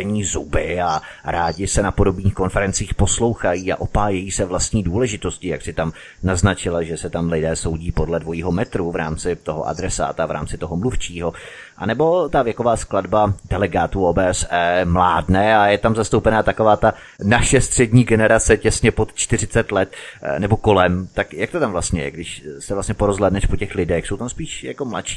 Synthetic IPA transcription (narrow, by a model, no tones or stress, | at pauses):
ɛɲiːzubɪa | ɾaːɟɪsɛnapo̞do̞bniːxko̞nfɛɾɛnt͡siːxpo̞slo̞wxajiːa̰ʔo̞paːjɛjiːsɛvlast̪ɲiːduːlɛʒɪt̪o̞scɪja̰ksɪt̪am | naznat͡ʃɪlaʒɛsɛt̪amlɪdɛːso̞wɟiːpo̞dlɛdvo̞jiːɦo̞mɛt̪ɾuvɾa̰ːmt͡sɪt̪oɦo̰ʔa̰dɾɛsa̰ːt̪avɾa̰ːmt͡sɪt̪oɦomluft͡ʃiːɦo̞ | ʔa̰nɛbo̞t̪avjɛkovaːskladbadɛlɛɡaːt̪uʔoːbɛːɛsɛːmlaːdnɛːajɛt̪amzast̪owpɛnaːt̪akovaːt̪a | naʃɛst̪r̥ɛdɲiːɡɛnɛɾat͡sɛcɛsɲɛpo̞t̪t͡ʃt̪ɪr̝ɪt͡sɛt̪lɛt̪̚nɛboko̞lɛmt̪akjak̚t̪ot̪amvlast̪ɲɛjɛ̰ɡdɪʃsɛvlast̪ɲɛpoɾozɦlɛːdnɛʃpocɛxlɪdɛxso̞wt̪amspiːʃja̰komla̰t̪ʃi̥ː